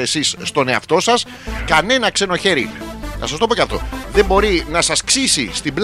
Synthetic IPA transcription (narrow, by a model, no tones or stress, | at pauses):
e̞sisːt̪o̞ne̞ɐ̰ft̪o̞sɐs | kɐne̞nɐkse̞no̞çe̞ɾiθɐsɐst̪o̞pocɐft̪o̞̰ðe̞mbo̞ɾinɐsɐsksisist̪imbl